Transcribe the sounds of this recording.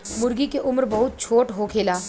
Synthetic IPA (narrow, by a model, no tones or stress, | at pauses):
mʊɾɡikeʔʊmɾbɐɦʊt̪̚t͡ʃʰoːʈɦokʰeːlaː